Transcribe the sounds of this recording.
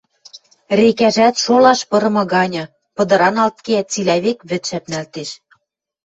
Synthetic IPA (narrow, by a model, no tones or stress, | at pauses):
rekæʒæt̪ʃolɑʃpɤ̆ɾɤ̆mɤ̆ɣɑnʲɤ̆ | pɤ̆d̪ɤ̆ɾɑnɑlt̪̚keæt̪t͡silæβekβɘ̆t̪ʃæp̚nælt̪eʃ